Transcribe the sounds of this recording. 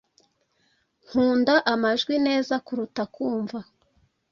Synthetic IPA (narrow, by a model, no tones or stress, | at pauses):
ŋ̥huːndaʔamaʒɡwine̞ːzakuɾutakuːɱva